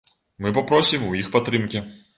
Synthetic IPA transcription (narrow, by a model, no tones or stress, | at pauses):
mɨpapɾɔsʲimujixpat̪ːɾɨmkʲɛ